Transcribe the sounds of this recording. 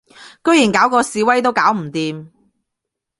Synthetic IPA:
kɵ˥ɥjiː˨˩nkaː˨˥wkɔː˧siː˨˧wɐ˥jt̪o˥wkaː˨˥wm̩˨˩t̪iː˨m

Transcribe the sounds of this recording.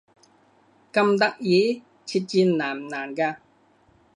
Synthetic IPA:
kɐ˧mt̪ɐ˦˥k̚jiː˨˥˦ | t͡ɕʰi˧t̚t͡ɕi˧nːaː˨˩mnaː˨˩nkaː˧

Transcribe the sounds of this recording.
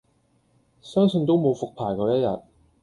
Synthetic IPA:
sœː˥ŋsɵ˧nt̪̬o˥wmo˨˧wfʊ˨k̚pʰaː˨˩jkɔː˧jɐ˥t̚jɐ̰˨t̚

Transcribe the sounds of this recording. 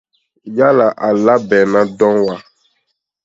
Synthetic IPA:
ja˦la˨ʔa˨la˦bɛ˨nã˦dɔ̃˦wa˨

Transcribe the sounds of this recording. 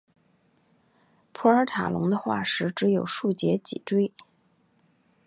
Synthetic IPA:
pʰu˧˥ə˞˧˥t̪ʰa̰˨˩lʊ̰˧˥ŋd̪ə˧xwa̰˥˩ʂɻ̩˧˥ʈ͡ʂɻ̩˧˥jo˨˩ʊʂu˥˩t͡ɕjɛ˧˥t͡ɕḭ˨˩ʈ͡ʂwe˥ɪ

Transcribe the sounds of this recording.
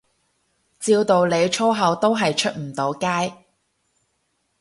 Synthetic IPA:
t͡siː˧wt̪o˨wle˨˧jt͡ʃʰɔː˥ɦɐ˨˧wt̪o˥wɦɐ˨jt͡ʃʰɵ˥t̚m̩˨˩t̪o˨˧wkaː˥j

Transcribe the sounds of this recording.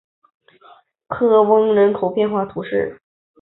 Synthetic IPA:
kʰɤ˥˩wɤ˥ŋɻə˧˥nkʰo˨˩ʊpjɛ˥˧nxwa˥˩t̪ʰu˧˥ʂɻ̩˥˩

